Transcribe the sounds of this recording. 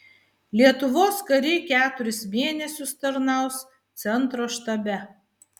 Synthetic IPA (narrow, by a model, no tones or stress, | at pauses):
lʲiɛt̪ʊʋoːskɐɾʲɪkʲæːt̪ʊɾʲɪsmʲeːnʲɛsʲʊst̪ɐɾnɑˑʊs | t̪sʲɛnt̪ɾoːʃt̪ɐbʲɛ